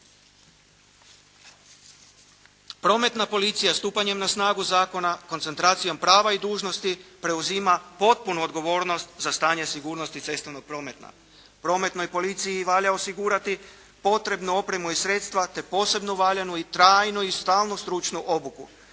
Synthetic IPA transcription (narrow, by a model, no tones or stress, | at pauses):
pɾo̞ːme̞t̪napo̞lit̪sijast̪uːpaɲe̞mnasnaːɡuzaːko̞nako̞ntsent̪ɾaːt̪sijo̞mpɾaːʋaid̪uːʒno̞st̪ipɾe̞uziːmapo̞t̪̚punuod̪ɡo̞ʋo̞ːɾno̞st̪zast̪aːɲesiɡuːɾno̞st̪it̪se̞st̪oʋnoɡ̚pɾo̞ːme̞t̪na̰ | pɾo̞ːme̞t̪no̞jpo̞lit̪sijiʋaːʎao̞siɡuːɾat̪i | po̞t̪ɾe̞bnuo̞pɾe̞muisɾe̞ːt̪st̪ʋat̪e̞po̞ːse̞bnuʋaːʎanuit̪ɾaːjnuist̪aːlˠnust̪ɾut͡ʃnuʔo̞buku